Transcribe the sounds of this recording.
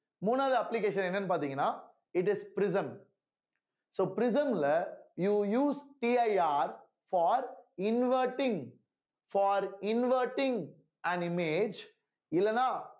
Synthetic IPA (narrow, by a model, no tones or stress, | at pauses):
mũːnaːðɯɐpːlɪkeːʂɐnɛnːɐnːɯpaːɾt̪iːŋɡɐnːaː | ɪʈ̬ɪspɾɪsɐ̃m | soːpɪɾɪs̬ɐmlɐjuːjuːsʈiːɐɪaːɾ | fɔːɾɪnʋəɾʈɪ̃ŋ | fɔːɾɪnʋəːɾʈɪ̃ŋɡ | æ̃nɪmeːd͡ʒ | ɪlːɐnːãː